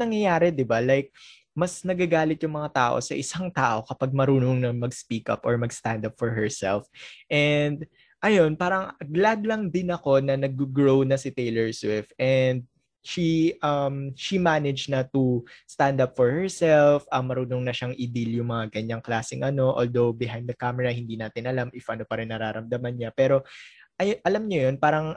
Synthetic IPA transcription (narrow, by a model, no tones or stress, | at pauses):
nɐŋjɐjaːɾɛd̪ɪbalajk̚ | mɐsnɐɡaɡaːlɪt̪jʊŋmɐŋat̪aːʔo̰sɐʔɪsaŋt̪aːʔo̞kɐpaɡ̚mɐɾuːnoŋnɐmɐɡspikɐ̰pʔɔɹmɐɡst̪ãnd̪ɐpfɔɹɦɛɹsɛlfʔɛnd̪̚ | ʔɐjo̞npaːɾɐŋɡlad̪lɐŋd̪ɪnɐko̞nɐnɐɡ̚uɡɹownɐsɪt̪ejlɛɹswɪft̪ʔɛnd̪̚ | ʃiʔɐmʃimanɛd͡ʒnɐt̪ust̪and̪ɐpfɔɹhɛɹsɛlfʔɐmːɐɾuːnoŋnɐʃaŋʔid̪iljʊŋmɐŋaɡɐɲaŋklaːsɪŋʔɐno̞ʔoːld̪owbɪɦãjnd̪d̪ɐkamɛɹɐhɪnd̪iːnaːt̪ɪnʔɐlamʔɪfʔɐno̞pɐɾɪnːɐɾaːɾɐmd̪ɐmɐnɲapɛːɾo̞ʔɐjʔɐlɐmɲɐjo̞npaːɾɐŋ